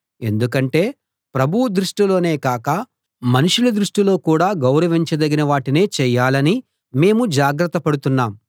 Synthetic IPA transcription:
e̞̰nd̪ukɐɳʈe̞ː | pɾɐbʱuwud̪ɾuʂʈilo̞ːne̞ːkaːkɐ | mɐnuʂulɐd̪ɾuʂʈilo̞ːkuːɽaːɡɐwɾɐʋiɲt͡ʃɐd̪ɐɡinɐʋaːʈine̞ːt͡ʃɛjːaːlɐni | me̞ːmud͡ʒaːɡɾɐt̪ːɐpɐɽut̪unːaːm

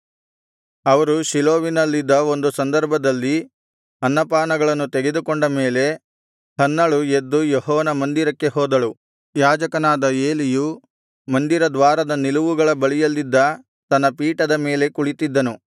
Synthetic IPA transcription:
ɐʋɐɾuʃiloːʋinɐlːid̪ːɐo̞nd̪usɐnd̪ɐɾbʱɐd̪ɐlːi | ɐnːɐpaːnɐɡɐɭɐnːut̪e̞ɡe̞d̪ukoɳɖɐme̞ːle̞ | hɐnːɐɭued̪ːujoɦɔːɐnɐmɐnd̪iɾɐkːe̞ɦoːd̪ɐɭu | jaːd͡ʒɐkɐnaːd̪ɐe̞ːliju | mɐnd̪iɾɐd̪ʋaːɾɐd̪ɐniluʋuɡɐɭɐbɐɭijɐlːid̪ːɐ | t̪ɐnːɐpiːʈɐd̪ɐme̞ːle̞kuɭit̪id̪ːɐnu

